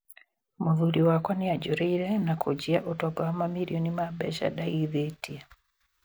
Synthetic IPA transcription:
muðuɾiwakwanijaɟoɾeiɾenakʰoɟiaʔotaɡawamamiɾionimabeʃa̰dajiðetia

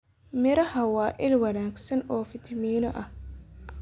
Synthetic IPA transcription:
mɪɾɐhɐwaːʔɪlwɐnaːɡsɐnɔːfɪt̪ʰmiːnɔʔɐh

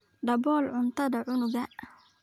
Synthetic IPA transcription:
ɖɐbɔːlʕʊnt̪ʰɐd̪ɐʕʊnʊɡɐʔ

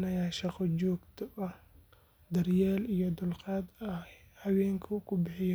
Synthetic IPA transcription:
nɐjaːʃɑqɔt͡ʃɔːɡt̪ʰɔʔɐh | d̪ɐrjaːlijɔd̪ʊlqɑːd̪ɐhɐwɛːŋkʰɐkʰʊbɪħɪj

